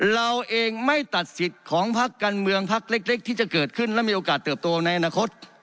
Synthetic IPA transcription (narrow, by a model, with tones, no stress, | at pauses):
ɾa˧wʔeː˧ŋma˥˩jt̪a˨˩t̪̚si˨˩t̪̚kʰɔː˩˦ŋpʰa˦˥kːaː˧nmɯ˧əŋpʰa˦˥k̚le˦˥k̚le˦˥k̚t̪ʰiː˥˩t͡ɕa˨˩kɤː˨˩t̪̚kʰɯ˥˩nlɛ˦˥miː˧ʔoː˧kaː˨˩t̪ːɤː˨˩p̚t̪oː˧na˧jʔa˧naː˧kʰo˦˥t̪̚